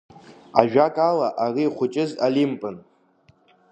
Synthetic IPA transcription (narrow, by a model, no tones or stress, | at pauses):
a̰ʒᶣakʼalaʔariːχʷʊt͡ʃʼɪzalimpʼɨn